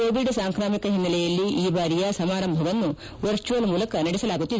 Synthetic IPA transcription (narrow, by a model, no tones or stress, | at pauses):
oːʋiɖsaːŋkɾaːmikɐɦinːɐlɛjɐlːiʔiːbaːɾijɐsɐmaːɾɐmbʱɐʋɐnːu | ʋɐɾt͡ʃuʋɐlmuːlɐkɐnɐɽɛsɐlaːɡut̪ːid̪